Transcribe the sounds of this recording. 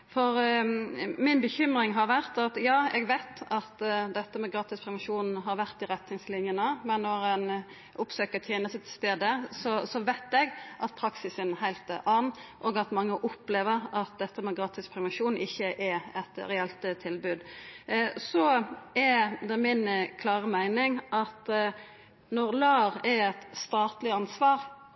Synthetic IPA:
fɔɾ | mɪnbəçʏmɾɪŋɦɑɾʋæʁt̪ɑt̪jɑːɛɡʋæɪt̪ɑt̪d̪ɛt̪ːəmɛɡɾɑːt̪ɪspʰɾɛʋɛnʂuːnn̩ɦɑɾʋæʁt̪ɪɾɛt̪nɪŋslɪnjənəmɛnːɔɾɛn | ʔʊpsøːkət̪ʰjeːnəsət̪st̪eːd̪əsɔsɔʋæɪt̪ɛɡʔɑt̪̚pʰɾɑksɪsənhæɪlt̪ʔɑːnʔɔːɡɑt̪mɑŋːəʔʊpleːʋəʁɑt̪̚d̪ɛt̪ːəmɛɡɾɑːt̪ɪspʰɾɛʋənʃuːnʔɪçːəʔɛɛt̪ɾɛɛlt̪t̪ʰɪlbʉːd̪ | sɔɛd̪ɛmɪnkʰlɑːʁəmæɪnɪŋʔɑt̪ | nɔʁlɑːʁɛɾɛt̪st̪ɑːt̪lɪɑnsʋɑːɾ

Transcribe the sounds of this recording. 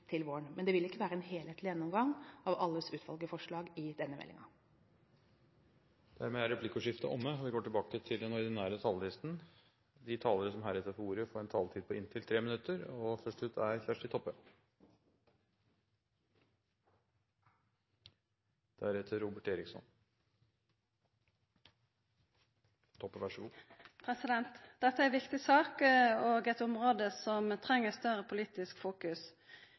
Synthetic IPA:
t̪ʰɪlʋoːəɳmɛnd̪ɛʋɪlɪkːəʋæːɾəɛnheːlheːt̪lɪjɛnːɔmɡɑŋɑʋɑlːəsʉːt̪ʋɑ̰lɡəfɔʂɭɑːɡɪd̪ɛnːəmɛ̰lɪ̰ŋɑ̰ | d̪̥æɾmeːæɾɛpʰlɪkʊʂɪft̪ə̰ʔɔmːəɔʋɪɡoːʈɪlbɑːkət̪ʰɪld̪ɛnɔɾd̪ɛnːæːɾət̪ʰɑːləlɪst̪n̩ | d̪ɪt̪ʰɑːləɾəsɔmhæːɾɛt̪əfɔuːɾəfɔɾɛnt̪ʰɑːlt̪ʰiːd̪̚pʰɔɪnt̪ʰɪlt̪ʰɾeːmənʉt̪ːəɾɔfœʂʈʉːt̪ʰæɾçæʂʈɪt̪ʰɔpːə | d̪̥æɾɛt̪ʰəɾuːbəʈeːɾɪksɔ̰n | t̪ʰɔpːəʋæʂɡupʰɾɛsɪd̪ɛnt̪d̪̥ɛt̪ːəæɾʋɪkt̪ɪsɑːkoːɡɛt̪ʊmʁoːd̪əsɔmt̪ʰʁɛŋːəst̪œɾʁəpʰʊliːt̪ɪskfuːkʉs

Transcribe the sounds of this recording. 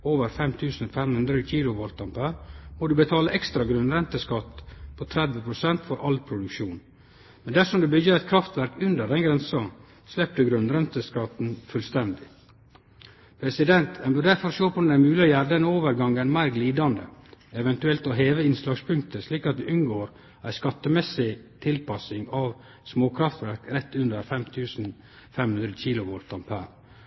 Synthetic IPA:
oːʋəɾfɛmt̪ʰʉːsn̩fɛmhʉnd̪ɾəkʰiːlʊʋɔlt̪ɑmpæɾmɔd̪ʉbət̪ʰɑːləʔɛkst̪ɾɑɡɾʉnɾɛnt̪əskɑt̪pʰot̪ʰɾɛd̪ʋəpʰɾʊsɛnt̪fɔɾʔɑlpʰɾʊd̪ʉkʃuːn | mɛnd̪æʂɔmd̪ʉbʏɡəɾɛt̪̚kʰɾɑft̪ʋæɾkʉnd̪əɖɛnɡɾɛnsɑ | slɛp̚d̪əɡɾʉnɾɛnt̪əskɑt̪n̩fʉlst̪ɛnd̪ɪ | pʰɾɛsɪd̪ɛnt̪ʰɛnbøɖ̪æɾfɔɾʂoːpʰɔd̪ɛnæɪmʉːlɪɔjæɖɛnoːʋəɾɡɑŋənmæɪɾɡliːd̪ɑnd̪ə̰ɛʋɛnt̪ʉɛlt̪ɔɦeːʋəɪnslɑːɡspʰʉŋk̚t̪əsliːkɑt̪d̪ɪʔʉnɡoːɾ | æɪskɑt̪ːəmɛsɪt̪ʰɪlpɑsɪŋɑʋ | smoːkʰɾɑft̪ʋæɾkɾɛt̪ːʉnd̪əɾfɛmt̪ʰʉːsn̩ | fɛmhʉnɾəçiːlʊʋoːɾt̪ːɑmpʰæ̰ɾ

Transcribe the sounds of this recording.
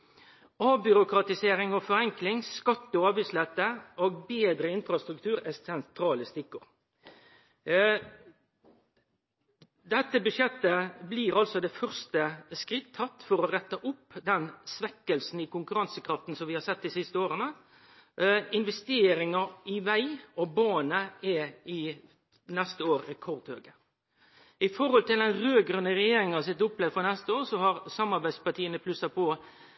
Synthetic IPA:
ɑːbʏɾʊkɾɑt̪ɪseːɾɪŋɔfɔɾɛŋklɪŋskɑt̪ːɔɑːbæɪslɛt̪ːəʔoːɡbeːd̪ɾəɪnfɾɑst̪ɾʉk̚t̪ʰʉːɾɛsɛnt̪ʰɾɑːləst̪ɪkːʊʁ | d̪ɛt̪ːəbʉʃjɛt̪ːəbliːɾɑlsɔd̪ɛfœʁst̪əskʁɪt̪ʰːɑt̪ːfɔɾɔʁɛt̪ːəʔʊpːd̪ɛnsʋɛkːəlsn̩ɪkʊŋkʉɾɑnsəkʰɾɑft̪n̩sɔmʋɪhɑsɛt̪̚ːd̪ɪsɪst̪əoːɾənə | ɪnʋɛst̪eːɾɪŋɑɪʋæɪɔbɑːnəɛɪ | nɛst̪əoːɾɛkʰɔʁd̪høːɡə | ɪfɔɾhɔlt̪ɪld̪ɛnʁøːɡɾʉnːəʁɛjeːɾɪŋɑsɪt̪ːʊplɛʋd̪fɔnɛst̪əoːʁsɔɦɑɾsɑmɑɾbæɪd̪spɑʈ̪ʰiːənəpʰlʉsɑpʰɔ

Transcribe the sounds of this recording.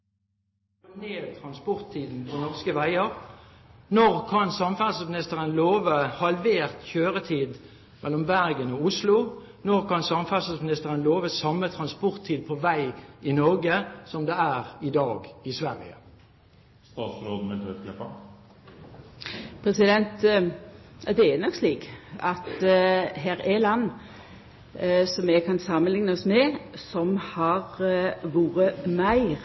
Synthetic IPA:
kɔneːt̪ʰʁɑnspɔʁt̪ʰːiːd̪n̩pʰɔnɔʁskəʋæɪəʁ | nɔʁkʰɑnsɑmfæʁsəsmɪnɪst̪əʁənloːʋəhɑlʋeːʁt̪çøːʁət̪ʰiːd̪ | mʔɛlɔmbæʁɡənɔːʊslʊ | nɔʁkɑnsɑmfæsəsmɪnɪst̪əʁənloːʋəsɑmːət̪ʰʁɑnspɔʁt̪ʰːiːd̪̚pʰɔʋæɪɪnɔʁɡəsɔmd̪eæːʁɪd̪ɑːɡɪsʋæʁɪ̰ə̰ | st̪ɑːt̪sɾoːd̪̩mɛt̪ʰøt̪klɛpːɑ̰ | pʰɾɛsɪd̪ɛnt̪ | jɑd̪ɛɛnɔksliːkɑt̪ɦæːɾelɑnː | sɔmɛɡkʰɑnsɑmːənlɪŋnəɔsmɛsɔmhɑʁʋuːɾəmæɪʁ

